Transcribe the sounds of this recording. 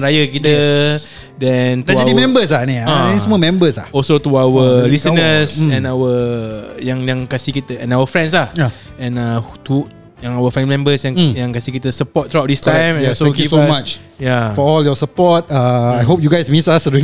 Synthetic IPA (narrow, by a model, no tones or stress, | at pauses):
ɾajəkit̪ə | dɛnt̪ad͡ʒadimɛ̃mbəs̬lanĩãisəmuɔmɛ̃mbəslaɔlsot̪uawəlisənəsɛ̃nawə | jãŋjãŋkasikit̪əɛ̃nawəfɾɛ̃ns̬lahja | ɛ̃nat̪u | jãŋawəfɛ̃nmɛ̃mbəsjãŋjãŋkasikit̪əsəpɔt̪̚ːɾuadistt̪ãjmɛ̃nɔsoɛkjufsɔmat͡ʃ | jafɔɔljɔsəpɔt̚aajɦop̚juɡajsmĩsasədi